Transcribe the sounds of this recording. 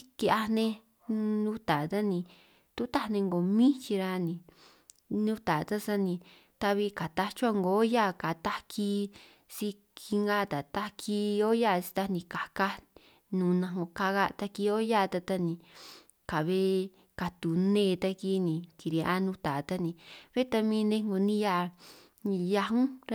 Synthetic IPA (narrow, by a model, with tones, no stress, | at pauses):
i˧ki˧a˧nẽ˧ | nũ˦t̪a˨˧t̪a˦nĩ˧ | t̪u˦t̪a˦nẽ˧ŋɡo˨mĩ˦t͡ʃi˧ɾa˧nĩ˧ | nũ˦t̪a˨˧t̪a˦sa˦nĩ˧ | t̪a˧βi˧ka˨t̪a˧t͡ʃu˦a˧ŋɡo˨˦ja˦˨ka˨t̪a˦kʰi˧˦ | si˦˧ | kʰi˧ŋɡa˦˨˧t̪a˨t̪a˦kʰi˦˧˦o˦ja˦˨˧si̥˧t̪a˧nĩ˧ka˨ka˦ | nũː˨nã˧ŋo˧ka˧ɣa˧t̪a˧ki˧o˦ja˦˧t̪a˧t̪a˧nĩ˧ | ka˨βe˦ | ka˧t̪u˨nẽː˦˧t̪a˧ki˦nĩ˨ki˨ɾi˧a˦nũ˦t̪a˨t̪a˦nĩ˧βe˦t̪a˧mĩ˧˦nẽ˧ŋɡo˨nĩ˦ja˦˧˨ | nĩ˧ja˧ɦũ˦ɾ